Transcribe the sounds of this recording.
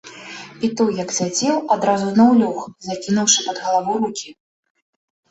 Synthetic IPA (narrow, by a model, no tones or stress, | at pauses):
pʲit̪ɔjɐksʲad͡zʲɛwad̪ɾazunɐwlʲɔxzakʲinuwʂɨpɐd̪ɣɐlˠavɔwɾukʲi